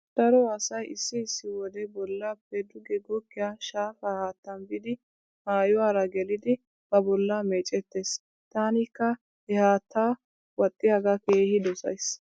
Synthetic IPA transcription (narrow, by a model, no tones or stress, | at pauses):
d̪̥ɐɾɔɐsɐjɪsːɪɪsːɪwɔd̪ɛbɔlːapːɛd̪ʊɡɛɡɔkːɪjaːʃaːfahaːt̪ːɐnbɪd̪ɪ | maːjʊwaːɾɐɡɛlɪd̪ɪ | b̥ɐbɔlːameːt͡ʃʼɛt̪ːe̞ːs | t̪aːnɪkːɐ | hɛhaːt̪ʰːaː | wɔt̪ʼːɪjaɡɐke̞ːhɪd̪ɔsɐ̰js